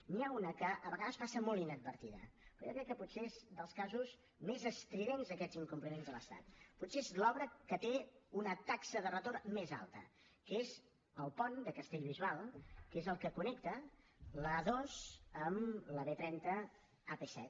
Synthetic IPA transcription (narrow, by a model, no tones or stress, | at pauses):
niaunəkəʔəβəɣaðəspasəmolˠinəd̪̚bəɾt̪iðə̰pɾɔjokɾɛkːəputseezd̪əlˠskazuz | mezəst̪ɾiβenzəkɛd͡ziŋkumplinenzðəlˠəst̪a̰t̪̚putseezlɔβɾəkət̪eunət̪aksəðərət̪ormeza̰lˠt̪ə̰ | kez | əlˠpɔnd̪əkəst̪eʎβizualˠkezəlˠkəkunɛkt̪ə | ləðozəmləβet̪ɾɛnt̪ə | apesɛ̰t̪